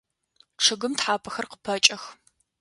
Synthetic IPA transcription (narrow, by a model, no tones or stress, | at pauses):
ʈ͡ʂʰɨɣɨmtħaːpʰɐxɐrqə̥pʰɐt͡ʃʼɐx